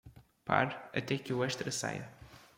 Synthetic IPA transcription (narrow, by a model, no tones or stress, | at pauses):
pa̰ɾɐ̰t̪ɛkɨuɛʃt̪ɾɐsa̰jɐ̰